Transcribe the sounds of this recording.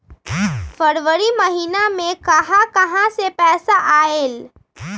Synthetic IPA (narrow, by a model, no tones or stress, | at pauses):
fʰəɾʋəɾimɐɦiːnamẽkɐɦãkɐɦãsepɛːsaʔaːel